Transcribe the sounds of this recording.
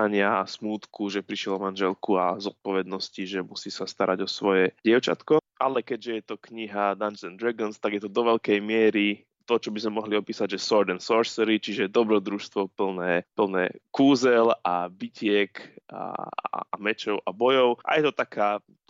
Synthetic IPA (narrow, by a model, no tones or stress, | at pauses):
aɲɪasmuːt̪kuʒɛpɾiʃɪjɛlɔmanʒɛlkua̰zɔt̪̚pɔʋɛd̪nɔsciʒɛmusiːsast̪aɾʔaɟɔsʋɔjɛɟɪɛʊt͡ʃa̰t̪kɔʔa̰lɛkɛɟʒɛjɛt̪ɔkɲiɦad̪anzɛnd̪ɾɛɡɔnst̪aɡjɛt̪ɔd̪ɔʋɛʎkɛjmɪɛɾi | t̪ɔt͡ʃɔbizmɛmɔɦliɔpiːsaɟʒɛsɔɾd̪ɛnsɔɾsɛɾit͡ʃiʒɛd̪ɔbɾɔd̪ɾuʃst̪ʋɔpl̩nɛːpl̩nɛ̰ːkuːzɛlabicɪɛka̰ | mɛt͡ʃɔʊʔabɔjɔʊʔa̰jɛt̪ɔt̪akʰaː